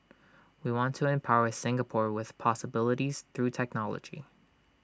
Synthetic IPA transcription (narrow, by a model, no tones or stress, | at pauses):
wiwɑ̃ntʰəɛ̃mpʰaʊə˞sɪ̃ŋɡəpʰɔɹwɪð̥pʰɑsəbɪlˠəɾiz̥θɹʉtʰɛk̚nɑlˠə̰d͡ʒḭ